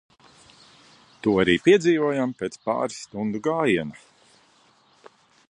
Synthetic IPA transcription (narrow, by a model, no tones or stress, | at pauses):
t̪uɔaɾiːpiɛd̪ziːvuɔjampʲeːt̪spa̰ːɾust̪und̪uɡaːjiɛna